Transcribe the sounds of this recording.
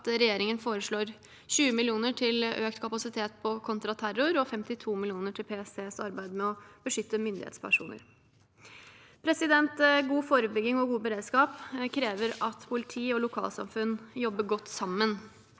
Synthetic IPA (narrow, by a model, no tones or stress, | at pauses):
t̪ɾɛjeːɾɪŋənfoːɾəʂɭoːɾ | ɕʉːəmɪlɪuːnəʈʰɪløːkt̪kʰɑpɑsɪt̪ʰeːt̪̚pʰɔkʰɔnt̪ɾɑt̪ʰæɾʊɾɔfɛmt̪ɪt̪ʰuːmɪlɪuːnəʈʰɪlpʰeːseːsɑ̰ɾbæɪd̪mɛɔb̥əʂʏt̪ːəmʏnd̪ɪ̰hḛːt̪spʰæ̰ʂṵːnə̰ɾ | pʰɾɛsɪd̪ɛnt̪ɡuːfoːɾəbʏɡɪŋɔɡuːbəɾeːd̪skɑːpkʰɾeːʋəɾɑt̪pʰʊlɪt̪ʰiːɔlʊkʰɑ̰ːlsɑ̰mfʉnjɔbːəɡɔt̪ːsɑmːən